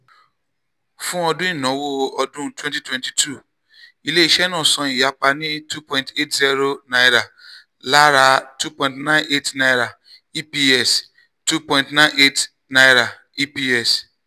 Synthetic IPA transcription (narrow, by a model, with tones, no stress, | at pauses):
fũ˦ɔ˧dũ˦ĩ˦˨nɔ̃˨˦wo˦˨ɔ˧dũ˦twɛ̃˦nti˦twɛ̃˦nti̥˨tʰu˦˨ | i˧le˦i˦ʃɛ˦nɔ̃ː˦˨sɔ̃˨˧ĩ˨ja˨˦k͡pa˧nĩ˦tu˦pɔ̃˦ĩnte˦tzi˦ɾo˦nã˦jɾa˨ | la˦ɾa˧˦tu˦pɔ̃˧ĩ˦ntnã˦ne˦tna˧jɾa˨ | i˦pi˦ɛ˦˨s | tu˦pɔ̃˧ĩntnã˦ne˦t | na˧jɾa˨ | i˦pi˦ɛ˨s